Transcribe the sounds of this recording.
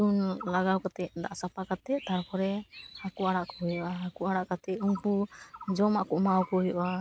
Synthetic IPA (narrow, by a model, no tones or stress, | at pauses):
dunlaɡawkat̪ɛʔ̚d̪aʔsapakat̪ɛt̪aɽpʰɔɾɛhakuʔaɽaʔkɔɦujɔʔaakuʔaɽaʔkat̪ɛʔuŋpud͡ʒɔmaʔkɔʔmawkɔɦujɔʔa